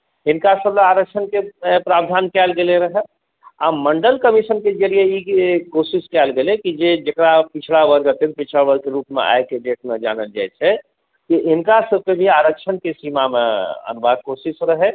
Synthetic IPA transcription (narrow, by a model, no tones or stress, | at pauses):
ɪnkasəbleaːɾək̚ʃʰənkeepɾabd̪ʱaːnkɛːlɡeleɾəɦɛ | a̰məɳɖəlkəmisənked͡ʒəɾijeikosiskɛlɡelekid͡ʒed͡ʒekɾapit͡ʃʰlabəɾɡət̪et̪pit͡ʃʰlabəɾɡ̚keɾuːpmḛʔa̰jkeɖeʈmed͡ʒa̰nəld͡ʒa̰jt͡ʃʰɛ | kiʔɪnkasəb̚kebʱiaɾəkʃʰənkesimamḛə̰nubad̪̚kosisɾəɦɛ